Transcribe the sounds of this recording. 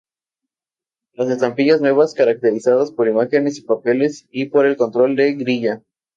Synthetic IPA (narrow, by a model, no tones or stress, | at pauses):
lase̞st̪ampiʝaznwe̞βaskaɾak̚t̪e̞ɾisaðaspo̞ɾimaxe̞ne̞sipape̞le̞sipo̞ɾe̞lko̞nt̪ɾo̞ld̪e̞ɡɾiʝa